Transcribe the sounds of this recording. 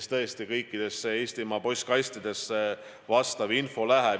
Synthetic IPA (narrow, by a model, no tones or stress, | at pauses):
st̪ɤest̪ikɤjkːˑid̪̥e̞sːeeːst̪imɑpo̞jsʲkɑjst̪id̪̥e̞sːe | vɑst̪ɑvinfo̞læɦe